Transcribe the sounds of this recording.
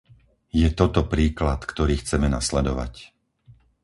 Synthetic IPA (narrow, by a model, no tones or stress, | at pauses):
jɛt̪ɔt̪ɔpɾiːklat̪kt̪ɔɾiːxt͡sɛmɛnaslɛd̪ɔʋa̰c